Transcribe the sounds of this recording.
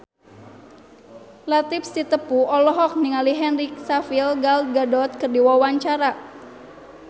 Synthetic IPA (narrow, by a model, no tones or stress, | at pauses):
lat̪ipsit̪əpuɔlɔɦɔk̚niŋaliɦɛnrik̚safilɡalɡadɔt̪̚kərdiwawaɲt͡ʃaɾa